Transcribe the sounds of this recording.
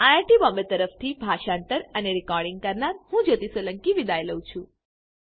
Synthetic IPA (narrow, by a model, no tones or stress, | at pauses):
ajaɾʈibɔmət̪əɾəft̪ʰibʱaʃaɳʈəɾəneɾikɔɾɖɪŋɡ̚kəɾnaɾhũd͡ʒət̪iseləŋkiʋid̪ajləwũt͡ʃʰũ